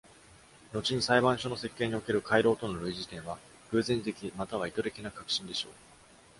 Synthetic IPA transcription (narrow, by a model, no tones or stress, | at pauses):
no̞t͡ɕiɲ̟isaibãɰ̃ɕo̞no̞se̞kːe̞ːɲ̟io̞ke̞ɾɯ̟kaiɾo̞ːt̪o̞no̞ɾɯ̟iʑit̪ẽɰ̃βa | ɡɯ̟ːzẽ̞nt̪e̞kʲimat̪aβ̞ait̪o̞ɾe̞kʲinakakɯ̥ɕĩnd̪e̞ɕo̞̰ː